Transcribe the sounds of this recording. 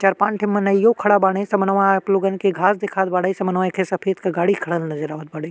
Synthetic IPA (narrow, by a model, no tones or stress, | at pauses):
t͡ʃaːɾpãːnʈʰɪmːɐnɐɪjokʰɐɽabaːɽesɐmɐnʋãkloːɡən̆kʰeɡʱaːsd̪ekʰaːd̪̚baːɽəisɐmɐnʋãekʰesɐpʰeːd̪kɐɡaːɽikʰɐɽəlnɐzəɾaːʋət̪̚baːɽə